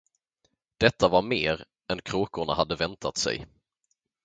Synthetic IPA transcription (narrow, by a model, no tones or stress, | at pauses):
d̪̥ɛt̪ʰːavaɾmeːɾ | ɛnkʰɾoːkʊɳa̰ɦad̪ːəvɛnt̪ʰat̪sɛ̰j